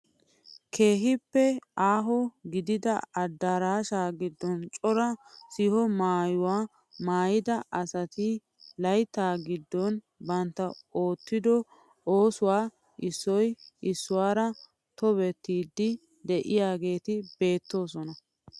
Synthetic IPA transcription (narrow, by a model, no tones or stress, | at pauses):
kʰe̞ːɦɪpːɛaːɦɔɡɪd̪ɪd̪ɐɐd̪ːaɾaːʃaːɡɪd̪ːɔnt͡ʃʼɔɾɐsɪhɔmaːjʊwaː | maːjɪd̪ɐʔɐsɐt̪ɪ | lɐjt̪ːaːɡɪd̪ːɔn | bɐnt̪ːɐo̞ːt̪ːɪd̪ɔ | oːsʊwaː | ʔɪsːɔjʔɪsːʊwaːɾɐ | t̪ɔβɛt̪ːiːd̪ːɪ | d̪ɛʔɪjaːɡe̞ːt̪ɪbe̞ːt̪ːo̞ːsɔnɐ